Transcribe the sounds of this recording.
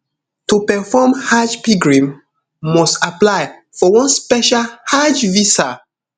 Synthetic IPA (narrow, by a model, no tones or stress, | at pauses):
tupɛfɔmhad͡ʒpiɡɹĩmː | ɔstaplaɪ | fɔwɔ̃nspɛʃalhad͡ʒvisa